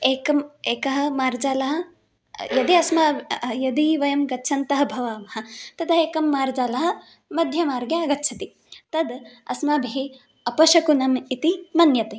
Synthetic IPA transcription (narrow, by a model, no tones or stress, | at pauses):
eːkɐmeːkɐɦɐ̆maːɾd͡ʒaːlɐɦɐ̆ | jɐd̪iɐsmɐjɐd̪iʋɐjɐmɡɐtːʃʰɐnt̪ɐɦɐ̆bʱɐʋaːmɐɦɐ̆t̪ɐd̪ɐɦeːkɐmːaːɾd͡ʒaːlɐɦɐ̆ | mɐd̪ʱjɐmaːɾɡjɐɐɡɐtːʃʰɐt̪i | t̪ɐd̪ɐ̰smaːbʱiɦe | ɐpɐʃɐkunɐmit̪imɐnjɐt̪e